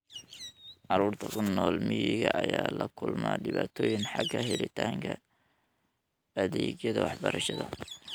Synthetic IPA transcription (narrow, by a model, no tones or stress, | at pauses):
ʕɑɾuːrt̪ʰɐkʰʊnːɔːlmɪjɪɣɐʔɐjaːlɐkʰʊlmaːɖɪβaːt̪ʰɔːjɪŋħɑɡɐɦɛlɪt̪ʰaːŋkʰɐ | ɐðɛːɡjɐðɐwɑħbɐɾɐʃɐðɐ